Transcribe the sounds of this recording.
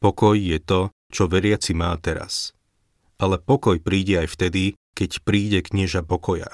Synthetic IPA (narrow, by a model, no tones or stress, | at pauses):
pɔkɔjːɛt̪ɔ | t͡ʃɔʋɛɾɪat͡simaːt̪ɛɾa̰s | ʔalɛpɔkɔjpɾiːɟɛajft̪ɛd̪i | kɛcpɾiːɟɛkɲɪɛʒapɔkɔja̰